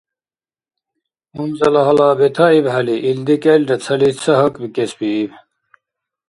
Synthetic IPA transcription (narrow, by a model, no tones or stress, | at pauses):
umzɐlɐɦɐlaːbet̪ʰɐibɦɐliʔild̪ikelɖɐt͡sʰɐlit͡sʰɐɦɐkbikesbiːb